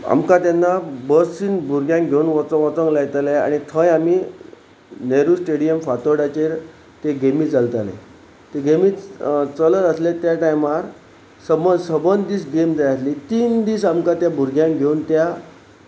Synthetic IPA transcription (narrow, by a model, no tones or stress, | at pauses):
a̰mkãt̪anːabəsiːnbʱuɾɡʱjãŋɡʱeunʋɔt͡səɔt͡səŋɡlajt̪alea̰ɽ̃it̪ʰə̃jamiː | neɾuːsʈeɽijəmfat̪əɽat͡ɕeɾ | t̪eɡemiːd͡zalt̪alḛ | t̪eɡemiːt͡sələɾəslet̪jaʈajmaɾ | səməsəbənd̪iːsɡemd͡zajat̪lit̪iːnd̪iːsamkat̪jabʱuɾɡʱjãŋɡʱeunt̪ja